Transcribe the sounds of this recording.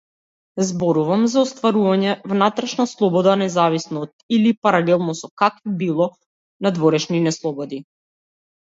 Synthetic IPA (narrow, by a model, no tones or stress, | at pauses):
zbɔɾuvamzaɔst̪vaɾuvaɲɛvnat̪ɾɛʃnaslˠɔbɔd̪anɛzavisnaːt̪ilipaɾalɛlˠnɔsɔkakvibilˠɔ | nad̪vɔɾɛʃninɛslˠɔbɔd̪i